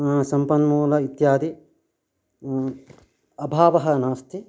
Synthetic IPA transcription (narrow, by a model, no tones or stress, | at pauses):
sɐmpɐnmuːlɐit̪jaːd̪i | ɐbʱaːʋɐɦɐnaːst̪i